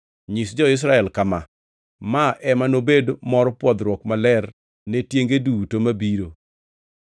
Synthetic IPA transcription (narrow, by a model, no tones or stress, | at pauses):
ɲɪsd͡ʒɔɪs̬ɾaɛlkama | maʔɛmanobedmɔɾɔpwɔd̪ɾwɔkmalɛr | netjeŋɡedutomabiɾo